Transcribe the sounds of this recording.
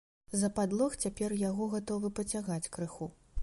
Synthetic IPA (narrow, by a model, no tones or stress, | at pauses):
zɐpad̪lˠɔxt͡sʲapʲɛrjaɣɔɣat̪ɔvɨpɐt͡sʲaɣat͡sʲkɾɨxu